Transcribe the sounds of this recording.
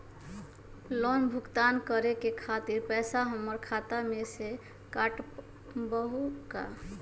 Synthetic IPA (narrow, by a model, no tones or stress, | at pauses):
lɔnbʱukt̪ankəɾekekʰat̪iɾpɛsaɦəmːəɾkʰat̪amese | kaʈ | bəɦuka̰